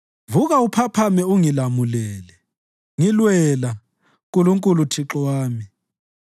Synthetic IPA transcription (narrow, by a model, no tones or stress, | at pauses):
vuɣaupʰapʰamɛuŋilamulɛːlɛ | ŋilwɛla | k̬ʼuluŋkʼulutʰiǁwaːmi